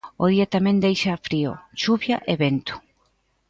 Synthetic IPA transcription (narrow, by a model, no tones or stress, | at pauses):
o̰ð̞iɐt̪amɛ̃nd̪ejʃɐfɾio̰ʃuβjaʔeβent̪ʊ̥